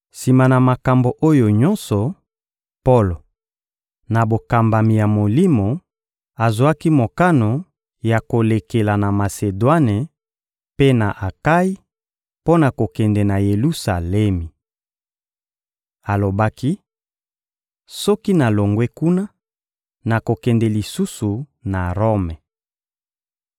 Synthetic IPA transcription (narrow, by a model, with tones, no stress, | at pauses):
si˨ma˨na˨ma˨ka˨mbo˨ʔo˦jo˨ɲɔ˦nsɔ˨ | po˦lo˨ | na˨bo˨ka˨mba˨mi˨ja˨mo˨li˦mo˨ | a˨zo˨a˦ki˦mo˨ka˦no˨ | ja˨ko˨le˨ke˨la˨na˨ma˨se˨dwa˦ne˨ | pe˦na˨ʔa˨ka˦i˦ | po˦na˨ko˨kɛ˨ndɛ˨na˨je˨lu˦sa˨lɛ˦mi˨ | a˨lo˨ba˦ki˦ | sɔ˦ki˦na˨lo˨ŋɡwe˦ku˦na˦ | na˨ko˨kɛ˨ndɛ˨li˨su˦su˨na˨ʁo˦mɛ˨